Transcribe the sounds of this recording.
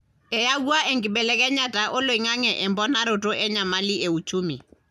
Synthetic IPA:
ɛ˨ja˦ɡwa˦ʔɛ˨ŋɡɪ˨ɓɛ˨lɛ˦kɛ˦ɲa˦ta˨ʔo˦lo˨i˨ŋa˦ŋɛ˨ʔɛ˨mbɔ˦na˦ɾo˨to˦ʔɛ˦ɲa˨ma˦li˦e˨u˨t͡ʃu˦mi˨

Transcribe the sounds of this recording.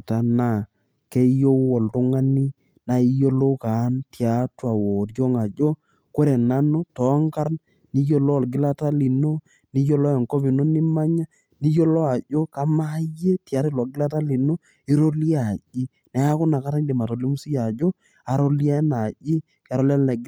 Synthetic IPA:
ta˨˦na˦˨ | kɛ˦jo˦wɔ˨ltʊ˦ŋa˦ni˦ | na˨i˦jo˦lo˦ka˨˦ntja˨twa˨wɔ˨ɾjɔ˦ŋa˨d͡ʒo˦ | ko˦ɾɛ˨na˦no˦tɔ˨˦ŋka˦ɾn | ni˦jo˦lɔ˦˨lɡɪ˦la˦ta˦li˨no˦ | ni˦jo˦lɔ˦ɛ˨ŋkɔ˦βi˨no˦ni˦ma˦ɲa˦ | ni˦jo˦lɔ˦a˨ʄo˦ka˦ma˦je˦tja˨˦ɾe˦˨lɔ˨ɡɪ˦la˦ta˦li˨no˦ | i˦ɾo˦li˦a˨ʄi˦ | nɛ˦a˦kʊ˦na˨ka˦ɾa˦n˦di˨ma˨to˨li˦mu˦si˦ja˨d͡ʒo˦ | a˨ɾo˦li˦a˦na˨ʄi˦ | kɛ˨ɾɔ˦lɛ˦lɛ˨ɡ

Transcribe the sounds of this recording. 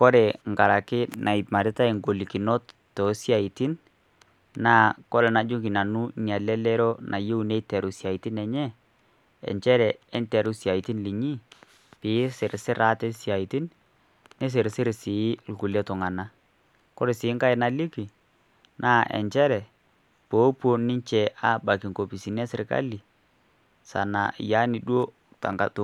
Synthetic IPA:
kɔ˦ɾe˨ŋɡa˨ɾa˨kɪ˦nʔa˨i˨ma˨ɾɪ˦ta˦i˨ŋɡo˨li˨ki˨nɔ˦ttɔ˨sja˨i˨tɪ˦n | na˦˨kɔ˦lɛ˨na˨d͡ʒʊ˦ɡi˨na˨nʊ˦ɲa˨lɛ˦lɛ˦ɾɔ˦nʔa˨je˦u˨ne˦tɛ˨ɾu˨sja˨i˨tɪ˦nɛ˨ɲɛ˦ | ɛ̰˨ɲt͡ʃɛ˦ɾɛ˨ɛ˦ntɛ˨ɾu˦sja˨i˨ti˦nli˨ɲi˦ | pɪ˨˦sɪ˨ɾsɪ˦ɾa˦tɛ˦sja˨i˨tɪ˦n | nɪ˦s̬ɪ˨ɾsɪ˦ɾsɪ˨˦lku˨le˦tʊ˨ŋa˨na˦ | kɔ˦ɾe˨sɪː˨˦ŋka˦ɪ˨na˦li˦ki˨ | nʔa˦˨ʔɛ̰˨ɲt͡ʃɛ˦ɾɛ˨ | poː˨˦po˦nɪ˦t͡ʃɛ˨ʔa˦˨ba˨ki˨ŋko˨pi˨si˨nɛ˦sɪ˨ɾka̰˦li˨ | sa̰˨na̰˨ja˨˦ni˨dwo˦ | ta̰˨ŋka˨to˨

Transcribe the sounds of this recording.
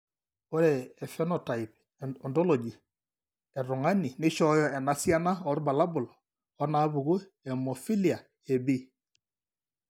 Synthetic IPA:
o˦ɾɛɛ˨fɛ˦nɔta˨ip | ɔndɔ˦lo˨d͡ʒi˨ | ɛ˨ɾu˨ŋa˦ni˨nɪ˦ʃɔ˦jɔ˦ɛ˨na˨sia˦na˦ɔɾba˨la˦bu˨l | ɔ˦na˨˦βu˨ɡo˦ | ɛ˨mofi˦li˨a˨ | ebi˦

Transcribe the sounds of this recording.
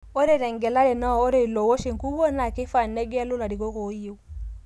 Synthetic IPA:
o˦ɾe˦ɾe˨ŋɡe˨la˦le˨na˦o˦ɾe˨lo˨wo˦ʃi˨ŋku˦wo˦na˨ki˦fa˨ne˦ɡe˦lu˦la˨di˨ko˦ko˨˦ji˦w

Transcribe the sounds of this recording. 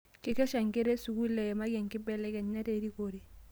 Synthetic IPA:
kɪ˦kɛ˦ʃa˨ŋke˦ɾɛ˦su˨ku˦lɛ˨ɛ˨ma˦ɡɛ˨ŋkɪ˦bɛ˦lɛ˦kɛ˨ɲːa˦te˦ɾi˦ko˨ɾi˨

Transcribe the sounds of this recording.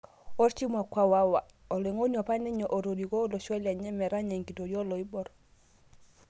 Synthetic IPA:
o˦ɾt͡ʃi˦mwa˨kwa˦wa˦wa˨ | ɔ˨le˨ŋo˦nɔ˨pa˦ni˦ɲɔ˨ʔo˨ɾo˨di˨ko˦lo˨ʃwɔ˦lja˨ɲɛ˦mɛ˨ɾa˦ɲa˨ŋki˨to˨jɔ˦lɔ˨i˦bɔ˦ɾ

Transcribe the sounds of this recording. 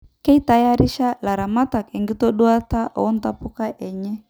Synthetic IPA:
kɛ˦i˦ta˦ja˦ɾi˦ʃa˦la˨ɾa˨ma˦ta˨kɛ˨ŋɡi˦tɔ˦ɗu˦a˦ta˦ʔɔ̰˨ɔ˦ntapu˦ka˦ʔɛ˨ɲɛ˦

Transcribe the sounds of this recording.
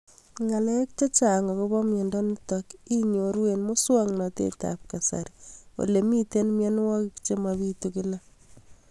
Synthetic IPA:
ŋa˨lɛ˦k̚t͡ʃe˦t͡ʃa˨ŋa˨ko˦bɔ˦mje˨ndɔ˦ni˦tɔki˦ɲo˨ɾwenmʊ˦swa˦ŋnɔ˨tḛ˦ta̰p̚ka˨sa̰ɾwo̰˨le˨mi˦te˦nmje˦n˦wɔ˦kikt͡ʃe˦maβi˦tuki˦la˦

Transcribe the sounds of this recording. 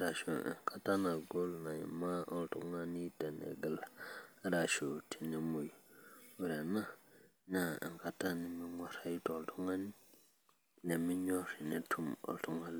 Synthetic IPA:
ɾa˨ʃo˨ḭ˨ŋka˦ta˦na˨ɡo˦lna˨jḭ˨ma˦ʔo˦ltu˦ŋa˦ni˦te˨nḛ˨ɡə˨la˨˦ɾa˨ʃo˨tʰi˨ne˨mu˨jwu˨ɾe˨na˦ | ɲa˦˨ḭ˨ŋka˦ta˦ni˨mi˦ŋʷa˦ɾa˦jto˨ltu˦ŋa˦ni˦ | ne˨mi˦ɲo˦ɾi˨ne˨tʰu˦mo̰˨ltu˦ŋa˦l

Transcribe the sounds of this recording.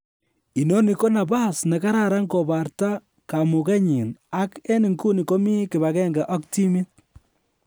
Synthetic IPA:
i˨no˦ni˨ko˦na˨ba˦sne˨ka˦ɾa˨ɾa˦ŋkɔ˨ba˨ɾta˦ | ka˨mu˨kɛ˦ɲi˨na˦kɛ˦ni˨ŋku˦ni˨ko˦mi˦kɪ˨βa˨kɛ˦ŋɡa˨ʔɔ˦kti˦mi˦t̚

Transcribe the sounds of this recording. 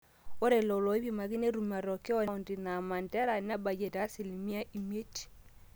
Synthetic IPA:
o˦ɾe˨lo˨lɔ˨˦βji˨ma˨ɣi˦ne˦ɾu˨ma˨ɾɔ˨ke˦ɔ˦o˨ndi˨na˨ma˨ndɛ˦ɾa˨na˦ba˨d͡ʒe˨ta˦si˨li˨mi˦a˦ʔi˨m˦e˦ti̥˨

